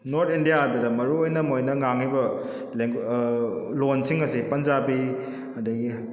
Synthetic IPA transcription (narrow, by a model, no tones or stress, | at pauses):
noɾtʰindijaːdɐdɐmɐɾuojnɐmojnɐŋaŋːibɐ | leŋ | lonsiŋɐsipɐnd͡ʒabi | ɐdɐɡi